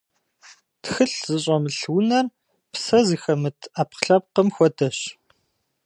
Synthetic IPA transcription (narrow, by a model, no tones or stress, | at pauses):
txɨɬz̥ɨɕ̬ʼɐmɨɬwʊnɐr | psɐziːxɐmɨtʰaːpqɬɐp̚qɐmxʷɔdʰɐɕ